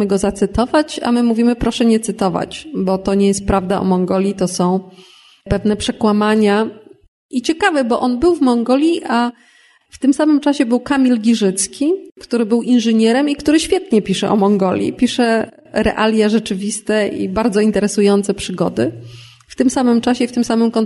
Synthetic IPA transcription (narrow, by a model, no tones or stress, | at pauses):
ɘɡɔzat̪sɘt̪ɔvat͡ɕa̰mɘmuvʲimɘpɾɔʂɛɲɛt̪sɘt̪ɔva̰t͡ɕbɔt̪ɔɲɛjɛst̪̚pɾavd̪aɔ̰mɔŋɡɔlʲjit̪ɔsɔ̃w̃ | pɛvn̪ɛpʂɛkwamaɲa | it͡ɕɛkavɛbɔʔɔnbɘwvmɔŋɡɔlʲjiʔa | ft̪ɘmsamɘmt͡ʂaɕɛbɘwkamʲilɡʲiʐɘt̪skʲikt̪uɾɘbɘwʔinʐɛɲɛɾɛmikt̪uɾɘɕfʲjɛt̪ɲɛpʲiʂɛ̰ʔɔ̰mɔŋɡɔlʲjḭpʲiʂɛ | ɾɛ̰ʔalʲjaʐɛt͡ʂɘvʲist̪ɛʔḭbaɾd̪zɔint̪ɛɾɛsujɔnt̪sɛpʂɘɡɔ̰d̪ɘ | ft̪ɘmsamɘmt͡ʂaɕɛft̪ɘmsamɘmkɔnt̪